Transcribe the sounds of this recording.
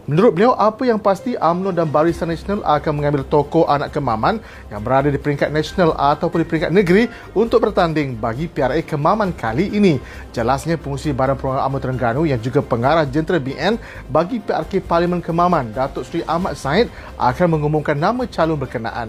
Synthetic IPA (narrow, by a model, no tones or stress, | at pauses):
mənuɾʊt̪̚bəliawʔapəjaŋpast̪iʔamnɔdanbaɾist̪anːasonalʔakanmə̃ŋãmbɪlt̪okoʔanaʔkəmãmãn | jaŋbəɾadadipəɾiŋkat̪̚nasonalat̪awpʊndipəɾiŋkat̪̚nəɡɾi | unt̪ʊk̚bərt̪andɪŋbaɡipearekəmãmãnkʰaliʔːni | d͡ʒəlasɲãpəŋũsibaɾanpɾoaʔa̰mnɔt̪əɾəŋɡanujaŋd͡ʒuɡapəŋaɾahd͡ʒənt̪ɾəbiʔɛn | baɡipea̰rkeparlimə̃nkəmãmãndat̪ʊʔsɾiʔamat̪̚saɪt̪̚ | ʔa̰kanmə̃ŋumumkanːãmãt͡ʃalʊnbərkəna̰ʔa̰n